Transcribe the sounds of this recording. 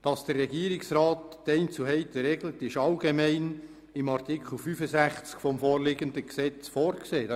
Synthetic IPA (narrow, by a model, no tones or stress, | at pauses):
d̥ɑsd̥ərːɛɡiːəɾɪksɾɑːtːɛɪnt͡suɦɛɪtəɾeɡlətɪʃɑlɡemɛɪn | ɪmɑrtikl̩fyfəzæχt͡skfɔmfoːɾlɪɡəndəksɛt͡sfoːɾkseː